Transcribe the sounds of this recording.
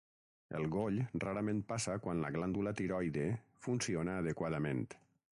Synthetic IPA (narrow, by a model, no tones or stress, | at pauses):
ḛlˠɣoʎraɾamẽnt̪̚pasakwanla̰ɣland̪ulat̪iɾɔjðefunsionaːðəkwaðamḛ̃nt̪